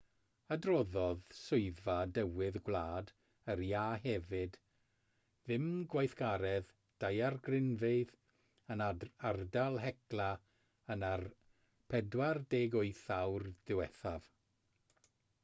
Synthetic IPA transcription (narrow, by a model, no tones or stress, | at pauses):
adrɔðɔðsʊɨðvadəwɪðɡwlˠaːd | ərjaːɦɛvɨd | ðɪmɡwajθɡ̥aɾɛð | d̥ajarɡrɪnveɨð | ənaardalˠɦɛklˠa | ənar | pʰɛdwardeːɡʊjθawrðɪwɛθav̥